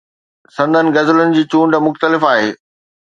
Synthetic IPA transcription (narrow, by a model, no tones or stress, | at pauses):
sɐ̃nd̪ʱənɪ̆ɡɐzələnɪ̆d͡ʑiːt͡ɕũːɳɖəmʊxt̪əlɪfaːɦeː